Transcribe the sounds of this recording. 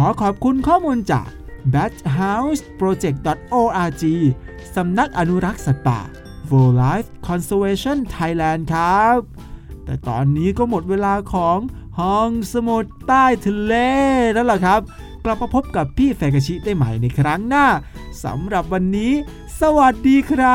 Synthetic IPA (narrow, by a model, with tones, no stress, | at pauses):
kʰɔː˨˩˦kʰɔː˨˩p̚kʰu˧nkʰɔː˥˩muː˧nt͡ɕa̰ː˨˩k̚bɛː˦˥t͡ɕ̚ɦa˦˥wspɾoː˧t͡ɕe˨˩k̚dɔ˨˩t̪̚ʔoː˧ʔaː˧t͡ɕiː˧ | sa˨˦mna˦˥k̚ʔa˧nu˦˥ɾa˦˥k̚sa˨˩t̪a̰ː˨˩ | wɤː˧laː˦˥fkʰɔ˧nseː˧weː˧t͡ɕʰɔ˥˩nt̪ʰa˧jlɛː˧nkʰa˦˥p̚ | t̪ɛ̰ː˨˩t̪ɔ̰ː˧nːiː˦˥kɔː˥˩mo˨˩t̪̚weː˧laː˧kʰɔː˩˦ŋhɔː˧ŋsa˧mu˨˩t̪ːaː˥˩jt̪ʰi˧leː˧˩naː˦˥wla˨˩kʰɾa˦˥p̚ | kla˨˩p̚ːa˧pʰo˦˥p̚ka˨˩pʰːiː˥˩fɛː˨˩ka˧t͡ɕʰi˦˥da˥˩jma˨˩jna˧jkʰɾa˦˥ŋnaː˥˩sa̰˨˩˦mɾa˨˩p̚wa˧nːiː˦˥ | sa˧wa˨˩t̪̚diː˧kʰɾa˦˥